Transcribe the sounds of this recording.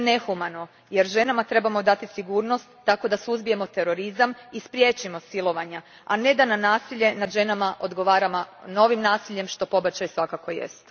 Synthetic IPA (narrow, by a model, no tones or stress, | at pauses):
ne̞xumano̞ | je̞ɾʒe̞namat̪ɾe̞bamo̞d̪at̪isiɡuːɾno̞st̪ːako̞d̪asuzbije̞mo̞t̪e̞ɾo̞ɾizamispɾje̞t͡ʃimo̞silˠo̞ʋaɲa | ane̞d̪ananaːsiʎe̞nad̪ʒe̞namaʔo̞d̪ɡo̞ʋaːɾamano̞ʋimnaːsiʎːe̞mʃt̪o̞po̞bat͡ɕajsʋakako̞jḛst̪